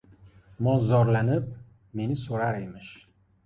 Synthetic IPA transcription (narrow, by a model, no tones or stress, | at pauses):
mɒzɒɾlanɪp̚ | me̞nɪsoɾaɾejmɪʃ